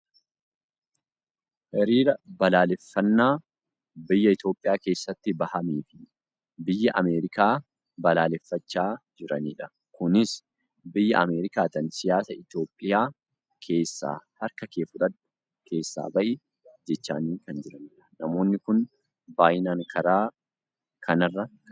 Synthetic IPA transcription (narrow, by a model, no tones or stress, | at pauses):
hɛɾiːɾɐbɐlaːlɛfːɐnːaː | bɪjːɐɪt̪o̞ːpʼːɪjaːke̞ːsːɐt̪ːɪbɐhɐmiːfɪ̥ | bɪjːɐʔɐmeːɾɪkaː | bɐlaːlɛfːɐt͡ʃːaːd͡ʒɪɾɐniːᶑɐ̥ | kʊnɪs | bɪjːɐɐmeːɾɪkaːt̪ɐnsɪjaːsɐɪt̪jo̞ːpʼːɪjaː | kʰe̞ːsːa̰ːhɐɾkɐkeːfʊᶑɐt̪ː | kʰe̞ːsːa̰ːbɐʔɪ | d͡ʒɛt͡ʃːa̰ːniːkɐnd͡ʒɪɾɐniːᶑɐ̥nɐmo̞ːnːɪkʊn | baːjɪnaːŋkʰɐɾaː | kʰɐnɐrːɐ